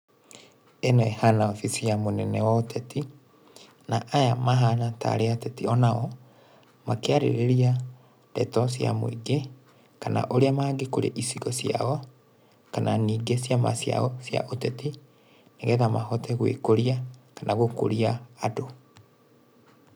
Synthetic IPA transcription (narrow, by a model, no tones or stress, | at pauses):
enwɛhanaɔfisijamonɛnɛwaotɛti | naʔːjamaɦanata̰ɾeatɛtiɔnaɔ | makeaɾḛɾeɾia | dɛtɔsja̰mo̰iɡe | kana̰ʔoɾeamaːɡekoɾḛʔisiɣɔsja̰ɔ | kananiːɡesjama̰sja̰ɔsja̰ʔotɛti | neɣɛðamahɔtɛɣwḛkoɾiakanaɣoko̰ɾiaːdo